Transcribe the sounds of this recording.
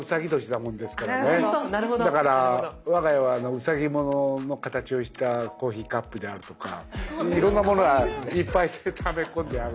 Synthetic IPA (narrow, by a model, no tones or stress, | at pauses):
ɯ̟saɡʲit̪o̞ɕi̥t̪amõ̞nd̪e̞sɨ̥ked̪oned̪akaɾaβaɡajaβaːno̞ɯ̟saɡʲimo̞no̞no̞kat̪at͡ɕio̞ɕi̥t̪ako̞ːçiːkapːɯ̟d̪e̞aɾɯ̟t̪o̞ka̰iɾõ̞nːamo̞no̞ɡaipːaiet̪ʰame̞kõnd̪e̞aɾɯ